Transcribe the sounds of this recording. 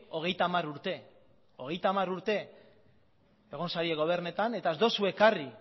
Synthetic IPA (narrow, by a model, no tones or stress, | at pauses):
o̞ɣ̞e̞jt̪aːmaɾuɾt̪e̞ | o̞ɣ̞e̞jt̪aːmaɾuɾt̪e̞ | eɣ̞o̞nsaɾieɣo̞β̞e̞ɾnet̪ane̞t̪aezd̪o̞suekari